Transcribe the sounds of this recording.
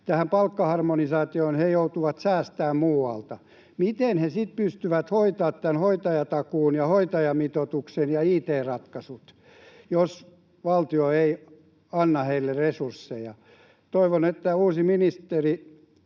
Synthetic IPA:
t̪æhæmpɑlkːɑhɑrmonisɑːt̪ioːnhejout̪uʋɑt̪sæːst̪æːmmuːɑ̰lt̪ɑ | mit̪enhesit̪̚pyst̪yʋæt̪hoit̪ɑːt̪t̪ænhoit̪ɑjɑt̪ɑkuːnjɑhoit̪ɑjɑmit̪ot̪uksenjɑiːt̪eːrɑt̪kɑsut̪ | jos | ʋɑlt̪ioei | ɑnːɑheilːeresursːejɑ | t̪oiʋonet̪ːæuːsiminist̪eri

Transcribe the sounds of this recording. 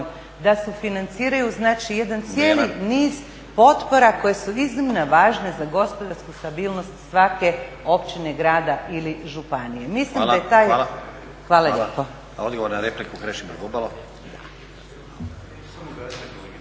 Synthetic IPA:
d̪asɛfinant̪siːɾajuznaːt͡ʃijed̪ant̪sjeːliniːz | po̞t̪po̞ɾako̞je̞suiznimnaʋaːʒne̞zaɡo̞spod̪aɾskust̪abiːlˠnost̪sʋake̞ | o̞pt͡ʃine̞ɡɾaːd̪aʔiliʒupanije̞mislimajet̪aːj | xʋaːlaʎepo | od̪ɡoʋoɾnaɾeplikukɾeʃimoɡubalˠo | d̪a

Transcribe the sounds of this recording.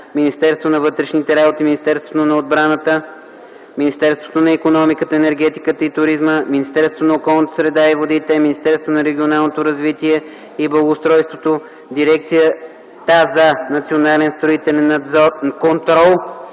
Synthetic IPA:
minist̪ɛɾst̪vonɐvɤt̪ɾɛʃnit̪ɛɾabot̪iminʲist̪ɛɾst̪vot̪onɐod̪̚bɾanət̪ə | minist̪ɛɾst̪vo̥t̪onɐikonɔmikət̪əɛnɛɾɡ̟ɛt̪ikət̪əit̪ʊɾizməminist̪ɛɾsot̪onɐokɔlˠnət̪ə̥sɾɛd̪aivod̪it̪ɛminist̪ɛɾst̪vonɐɾɛɡʲionalˠnot̪oɾɐzvit̪iɛ | iblˠəɡost̪ɾɔjst̪vot̪o | d̪iɾɛk̚t̪sijə | t̪azɐnɐt̪sionalɛnst̪ɾoit̪ɛlɛnkont̪ɾɔlˠ

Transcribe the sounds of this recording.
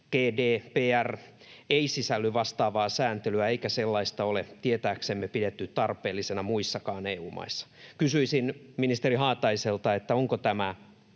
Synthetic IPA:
ɡ̥eːdeːpeːær | eisisælːyʋɑst̪ɑːʋɑːsæːnt̪elyæeikæselːɑist̪ɑolet̪iet̪æːksemːepidet̪ːytt̪ɑrpeːlːisenɑmuisːɑkɑːneːuːmɑ̰isːɑ̥kysyisinminist̪eriɦɑːt̪ɑiselt̪ɑet̪ːæoŋkot̪æmæ

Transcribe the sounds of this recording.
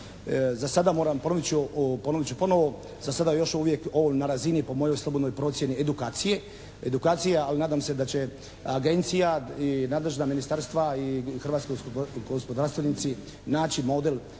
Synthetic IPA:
zasad̪amo̞ːɾampo̞noʋit͡ɕupo̞noʋit͡ɕupo̞noʋo̞ | zasad̪ajo̞ʃuʋje̞koonaɾazinipo̞mo̞jo̞jslˠobo̞d̪nojpɾo̞ːt̪sjenied̪ukaːt̪sije̞ | ed̪ukaːt̪sijaalinaːd̪aːmse̞d̪at͡ɕe̞ | aɡe̞nt̪sijainaːd̪le̞ʒnaminist̪aɾst̪ʋaixr̩ʋat̪skoɡospo̞d̪aɾst̪ʋenit̪si | naːt͡ɕimo̞d̪el

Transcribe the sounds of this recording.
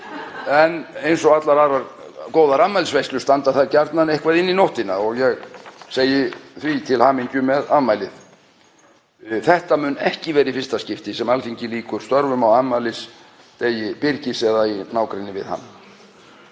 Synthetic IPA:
ɛnejnsɔɣat̪laɾaɾaɾkoːwðaɾaðmajlsvejstlʏst̪ant̪aθaɾcaɾt̪nanejhkvaðɪnːinoht̪ɪnaɔɣjɛɣseːjɪθvit̪ʰɪlhaːmiɲcʏmɛðanmajlɪð | θɛht̪amʏnɛhcɪvɛːɾifɪrst̪ascɪft̪ɪsɛmalθiɲcɪliːkʏɾ̥st̪œɾvʏmawanmajlɪs | t̪eːjɪpɪɾcɪsɛðainaːwkɾɪnːɪvɪ̰ðha̰nː

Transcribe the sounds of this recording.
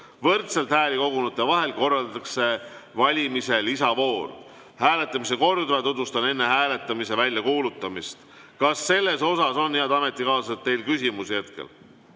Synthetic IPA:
vɤrt̪selt̪hæːlʲiko̞ɡunut̪ːˑevɑɦe̞lko̞rːɑld̪ɑkse̞vɑlʲimise̞lisɑvo̞ːr | hæːle̞t̪ˑːɑmiseko̞rd̪vɑt̪ut̪ːust̪ɑne̞nːe̞ɦæːle̞t̪ˑːɑmise̞vælʲjɑkuːlut̪ːˑɑmist̪ | kɑsːe̞lːe̞so̞sɑso̞nːjeæd̪ɑme̞t̪ˑːikɑːsɑset̪ːe̞jlkysʲimusehet̪kḛl

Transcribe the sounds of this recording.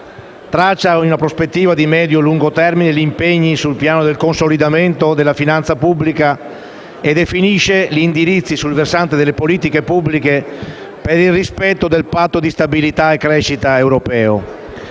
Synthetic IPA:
t̪ɾat͡ʃːainunapɾospet̪ːiːvad̪imɛːd̪joluŋɡot̪ɛrminelimpeɲːisulpjaːnod̪elkonsolid̪ament̪od̪elːafinant̪sapubːlika | ed̪efiniʃeʎiːnd̪iɾit̪sːisulversant̪ed̪elːepoliːt̪ikepubːlike | peɾilrispɛt̪ːod̪elpat̪ːod̪ist̪abilit̪aekːɾɛʃːit̪aewɾopɛːo̰

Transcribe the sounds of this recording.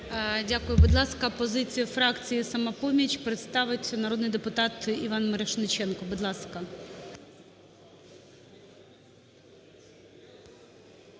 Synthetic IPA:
dʲakʊjʊbʊd̪lˠɑskɐpɔzɪt͡sʲijʊfɾɑkt͡sʲijisɐmɐpɔmʲit͡ʃpɾɪt̪st̪ɑʋɪtʲnɐɾod̪nɪjd̪epʊt̪ɑt̪iʋɑnmɪɾɐʃnɪt͡ʃɛnkɔbʊd̪lˠɑskɐ

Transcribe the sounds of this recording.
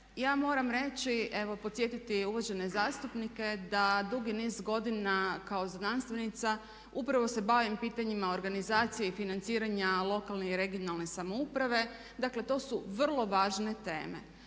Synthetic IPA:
jaːmo̞ːɾamɾe̞t͡ɕiʔe̞ʋo̞po̞t̪sje̞t̪it̪iuʋod͡ʑe̞ne̞zaːst̪upnike̞d̪ad̪uɡinizɡo̞d̪inakao̞zd̪nanst̪ʋe̞nit̪sa | upɾaʋo̞se̞baːʋimpiːt̪aɲimao̞ɾɡanizaːt̪sijeifinant̪siːɾaɲalˠo̞kalˠneiɾe̞ɡio̞nalˠne̞samo̞upɾaʋe̞ | d̪akle̞t̪o̞ːsuʋr̩lˠo̞ʋaːʒne̞t̪e̞̰ːme̞̰

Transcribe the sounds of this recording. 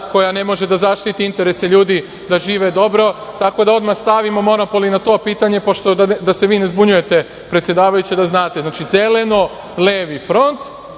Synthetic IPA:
ko̞jane̞mo̞ʒe̞d̪azaʃt̪it̪iint̪e̞ɾe̞seʎuːd̪i | d̪aʒiːʋe̞d̪o̞bɾo̞t̪ako̞d̪ao̞d̪maxst̪aʋimo̞mo̞no̞po̞linat̪o̞ːpiːt̪aɲe̞po̞ʃt̪oad̪ase̞ʋiːne̞zbuɲuje̞t̪e̞ | pɾet̪sje̞d̪aːʋajut͡ɕed̪aznaːt̪eznaːt͡ʃize̞le̞no̞ | leːʋifɾo̞nt̪

